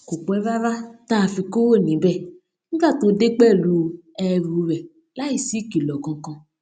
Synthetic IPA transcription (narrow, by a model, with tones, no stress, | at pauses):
ko˨k͡pɔ˨˦ɛ˦va˦ɾa˦ta˦˨fi˧ko˦wo˦˨nĩ˨˦bɛ˦˨ | n̩˦ɡa˦˨to˧˦de˦k͡pɛ˦˨lu˧ɛ˧ɾu˨˧˦ɾɛ˨ | la˦i˦˨si˦ki˨lɔ˨kɔ̃˧kɔ̃˧